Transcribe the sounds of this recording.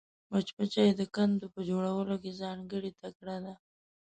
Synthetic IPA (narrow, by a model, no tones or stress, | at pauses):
mat͡ʃmat͡ʃajd̪əkand̪opəd͡ʒoɽawəlokezɑŋɡəɽit̪aɡɽad̪a